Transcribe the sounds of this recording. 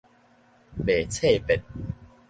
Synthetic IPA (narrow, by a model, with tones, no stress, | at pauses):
beː˨˩t͡sʰe˥˧pe˨˩t̪̚